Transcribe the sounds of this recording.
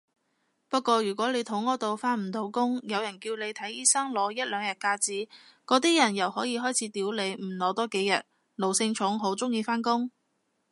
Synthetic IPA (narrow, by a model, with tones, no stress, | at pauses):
pɐ˥t̚kʷɔː˧jyː˨˩kʷɔː˨˥le˨˧jt̪ʰʊ˨˥ŋːɔː˨˧t̪o˨wfaː˥nm̩˨˩t̪o˨˧˥wkʊ˥ŋjɐ˨˧wjɐ˨˩nkiː˧wle˨˧jt̪ʰɐ˨˥jiː˥sɐ˥ŋlɔː˨˧˥jɐ˥t̚lœː˨˧ŋjɐ˨˩t̚kaː˧t͡siː˨˥kɔː˨˧˥t̪iː˥jɐ˨˩njɐ˨˩whɔː˨˥jiː˨˧ɦɔː˥jt͡sʰiː˨˥t̪iː˨˥wle˨˧jm̩˨˩lɔː˨˧t̪ɔː˥ke˨˥jɐ˨t̚ | lo˨wsɪ˧ŋt͡ʃʰʊ˨˥ŋɦo˨˥wt͡sʊ˥ŋjiː˧faː˥nkʊ˥ŋ